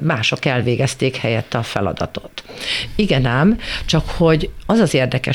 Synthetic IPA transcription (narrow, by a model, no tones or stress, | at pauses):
maːʃo̞kɛlveːɡɛst̪eːkhɛjɛt̪ːɒfɛlɒ̰d̪ɒ̰t̪o̞t̪iɡɛnɛmt͡ʃɒkho̞ɟɒzɒzeːrd̪ɛkɛ